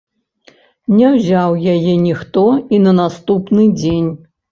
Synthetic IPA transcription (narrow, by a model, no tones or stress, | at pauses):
nʲɛwzʲawjajɛnʲixt̪ɔinɐnast̪upnɨd͡zʲenʲ